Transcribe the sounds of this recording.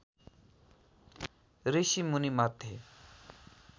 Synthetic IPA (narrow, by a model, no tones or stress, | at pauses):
ɾeɕimunimat̪ːe